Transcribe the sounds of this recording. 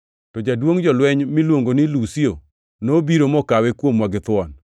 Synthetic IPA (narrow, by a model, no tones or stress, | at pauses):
tɔd͡ʒadwoŋd͡ʒɔlwɛɲmɪlwoŋɡonɪlusio | nobiɾomɔkawɛkwomwaɡɪt̪wɔn